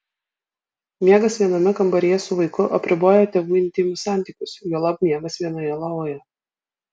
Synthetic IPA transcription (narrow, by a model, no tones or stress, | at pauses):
mʲiɛɡɐsʋʲiɛnɐmʲɪkɐmbɐɾʲijɛsʊʋɐɪkʊʔɐpʲɾʲɪboːjɛːt̪ʲeːʋuːɪnʲt̪ʲɪmʲʊsɑˑnʲt̪ʲiːkʲʊsjuːlˠɐpmʲiɛɡɐsʋʲiɛnɐjɛlˠɑːʋoːjɛ